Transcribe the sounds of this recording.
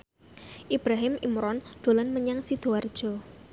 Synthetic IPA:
ʔib̥ɾaɦɪmimɾɔnɖ̪̥o̤lɔnməɲaŋsid̪̥oard̥ʒ̥ɔ̤

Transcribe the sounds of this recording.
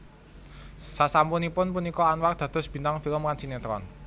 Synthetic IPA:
sasampunipʊnpunikɔanwar̚d̪̥ä̤d̪̥ɔ̤sb̥i̤nt̪aŋfiləmkansinet̪ɾɔ̰n

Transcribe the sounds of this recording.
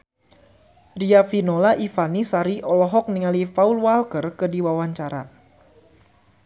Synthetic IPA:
riafinolaʔifanisaɾiʔɔlɔɦɔk̚niŋalipaulwalkərkɨdiwawaɲt͡ʃaɾa

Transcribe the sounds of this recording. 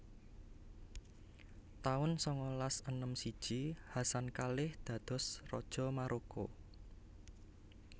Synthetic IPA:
t̪aʊnsɔŋɔlasənəmsid̥ʒ̥ihasankalɪhd̪̥ä̤d̪̥ɔ̤srɔ̰d̥ʒ̥ɔ̤maɾʔoko̰

